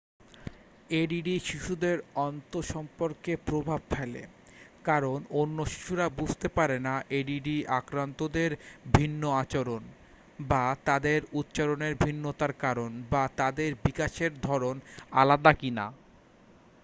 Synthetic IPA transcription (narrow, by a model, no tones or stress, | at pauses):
eɖiɖiʃiʃud̪eɾɔnt̪oʃɔmpoɾkepɾobʱabfʰɛlḛ | kaɾononːoʃi̥ʃuɾabud͡ʑʱt̪epaɾenaʔeɖiɖiakɾant̪od̪eɾbʱinːoat͡ɕoɾon | bat̪ad̪eɾut̪ːt͡ɕaɾoneɾbʱinːot̪aɾkaɾonbat̪ad̪eɾbikaʃeɾd̪ʱɔɾona̰lad̪akina̰